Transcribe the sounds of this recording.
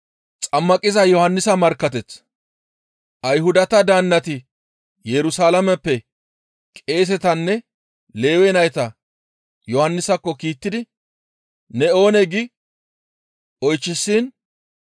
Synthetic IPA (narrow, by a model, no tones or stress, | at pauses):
t͡sʼɐmːɐkʼɪzɐjɔhɐnːɪsɐmɐɾkːɐt̪ɛt͡s | ʔɐjɦʊd̪ɐt̪ɐd̪aːnːɐt̪ɪ | jɛɾʊsaːlɐmɛpːɛ | kʼe̞ːs̬ɛt̪ɐnːɛ | le̞ːwɛnɐjt̪ɐ | jɔhɐnːɪsɐkːɔkiːt̪ːɪd̪ɪ | nɛo̞ːnɛɡɪ | ʔɔjt͡ʃːɪsːiːn